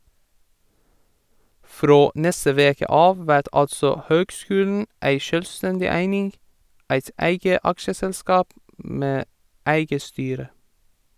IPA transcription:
ˈfɾoː ˈnɛstə ˈʋeːkə ˈɑːʋ ˈʋæɾt ˈɑltsɔ ˈhøːɡˌskʉːln̩ ˈæɪ ˈʃøːlˌstɛndɪ ˈæɪnɪŋ ˈæɪt ˈæɪɡə ˈɑkʃəsɛlˌskɑːp ˈmeː ˈæɪɡə ˈstyːɾə

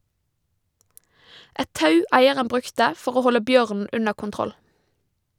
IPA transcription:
ˈʔɛt ˈtɑʉ ˈæɪəʁən ˈbʁʉktə ˈfɔʁ ˈoː ˈhɔlə ˈbjøːʁnn̩ ˈʉnə kʊnˈtʁɔl

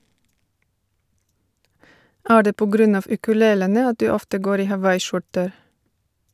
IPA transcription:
ˈæː ˈɖeː ˈpoː ˈɡɾʉn ˈɑːʋ ʉkʉˈleːlənə ˈɑt ˈdʉː ˈɔftə ˈɡoːɾ ˈiː hɑˈʋɑɪˌʃʊʈəɾ

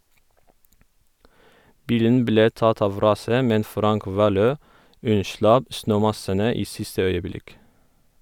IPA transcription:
ˈbiːlən ˈbleː ˈtɑt ˈɑʋ ˈɾɑːsə ˈmɛn ˈfɾɑŋk ˈʋɑːˌløː ˈʉnˌʃlɑp ˈsnøːˌmɑsənə ˈiː ˈsɪstə ˈœʏəˌblɪk

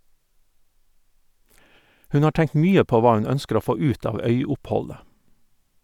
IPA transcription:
ˈhʉn ˈɑː ˈʈæŋt ˈmyːə ˈpoː ˈʋɑː ˈʉn ˈœnskəɾ ˈoː ˈfoː ˈʉːt ˈɑːʋ ˈœʏʊpˌhɔlə

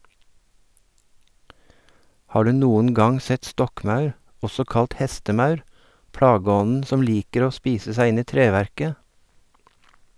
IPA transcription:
ˈhɑː ˈɖʉː ˈnuːən ˈɡɑŋ ˈsɛt ˈstɔkˌmɑʉɾ ˈɔsɔ ˈkɑlʈ ˈhɛstəˌmɑʉɾ ˈpɽɑːˌɡɔnn̩ ˈsɔm ˈliːkəɾ ˈoː ˈspiːsə ˈsæɪ ˈɪn ˈiː ˈtɾeːʋæɾkə

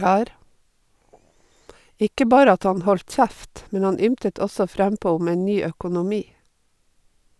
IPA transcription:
ˈɪkə ˈbɑːɾə ˈɑt ˈɑn ˈhɔlt ˈçæft ˈmɛn ˈhɑn ˈʏmtət ˈɔsɔ ˈfɾæmˌpoː ˈʊm ˈeːn ˈnyː œkʊnʊˈmiː

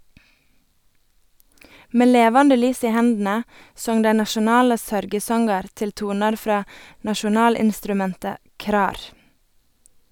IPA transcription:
ˈmeː ˈleːʋɑndə ˈlyːs ˈiː ˈhɛndn̩ə ˈsɔŋ ˈdæɪ nɑʃʊˈnɑːlə ˈsœɾɡəˌsɔŋɡɑɾ ˈtɪl ˈtuːnɑɾ ˈfɾɑː nɑʃʊˈnɑːlɪnstɾʉˌmɛntə ˈkɾɑːɾ

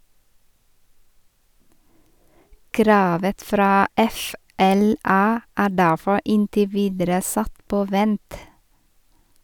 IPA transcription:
ˈkɾɑːʋə ˈfɾɑː ˈɛfɛlɑ ˈæː ˈɖæfɔ ˈɪntɪ ˈʋiːdəɾə ˈsɑt ˈpoː ˈʋɛnt

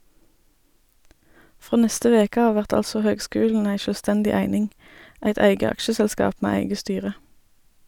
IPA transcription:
ˈfʁoː ˈnɛstə ˈʋeːkə ˈɑː ˈʋæʁt ˈɑlsɔ ˈhøːɡˌskʉːln̩ ˈæɪ ˌʃøːlˈstɛndɪ ˈæɪnɪŋ ˈæɪt ˈæɪɡə ˈɑkʃəsɛlˌskɑːp ˈmeː ˈæɪɡə ˈstyːʁə

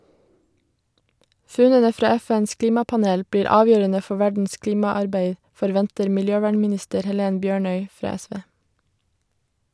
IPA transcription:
ˈfʉnənə ˈfɾɑː ˈɛˌfɛns ˈkliːmɑpɑˌneːl ˈbɽiːɾ ˈɑːʋjøːɾənə ˈfɔ ˈʋæɖn̩s ˈkliːmɑˌɑɾbeɪ fɔɾˈʋɛntəɾ mɪlˈjøːˌʋæːɳmɪˌnɪstəɾ hɛˈleːn ˈbjøːɳœʏ ˈfɾɑː ˈɛˌsʋeː

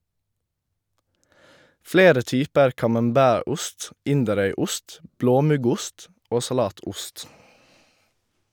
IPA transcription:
ˈfleːɾə ˈtyːpəɾ kɑmɑmˈbæːˌɾʊst ˈɪndəˌɾœʏˌʊst ˈbloːˌmʉɡʊst ˈoː sɑˈlɑːˌtʊst

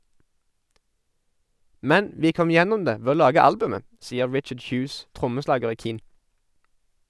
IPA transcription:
ˈmɛn ˈʋiː ˈkɔm ˈjɛnʊm ˈdeː ˈʋeː ˈoː ˈlɑːɡə ˈɑlbʉmə ˈsiːə ˈɹɪt͡ʃəɖ ˈçʉːs ˈtʁʊməˌslɑːɡəʁ ˈiː ˈkiːn

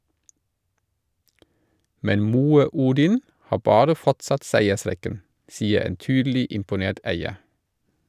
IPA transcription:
ˈmɛn ˈmuːə ˈuːdɪn ˈhɑː ˈbɑːɾə ˈfɔtsɑt ˈsæɪəˌsɾɛkən ˈsiːə ˈeːn ˈtyːdl̩ɪ ɪmpʊˈneːt ˈæɪə

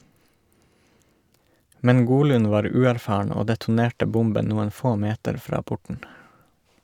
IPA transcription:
ˈmɛn ˈɡuːˌlʉːn ˈʋɑːɾ ˈʉːæɾˌfɑːɳ ˈoː dɛtʊˈneːʈə ˈbʊmbən ˈnuːən ˈfoː ˈmeːtəɾ ˈfɾɑː ˈpʊʈn̩

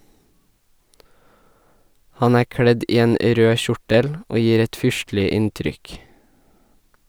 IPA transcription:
ˈhɑn ˈæː ˈkɽɛd ˈiː ˈeːn ə ˈɾøː ˈʃʊʈəl ˈoː ˈjiːɾ ˈɛt ˈfʏʃtlɪ ˈɪntɾʏk

